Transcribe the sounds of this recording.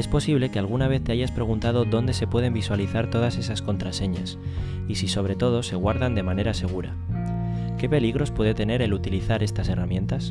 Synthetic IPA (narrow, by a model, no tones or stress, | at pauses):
e̞spo̞siβ̞le̞ke̞alɣ̞unaβ̞e̞θt̪e̞aʝaspɾe̞ɣ̞unt̪að̞o̞ðo̞nd̪e̞se̞pwe̞ð̞e̞mbiswaliθaɾt̪o̞ð̞ase̞sasko̞nt̪ɾase̞ɲas | isiso̞βɾe̞t̪o̞ð̞o̞se̞ɣwaɾðand̪e̞mãne̞ɾase̞ɣ̞uɾa̰ | ke̞pe̞liɣɾo̞spwe̞ðe̞t̪e̞ne̞ɾe̞lut̪iliθaɾe̞st̪ase̞ramjẽ̞nt̪as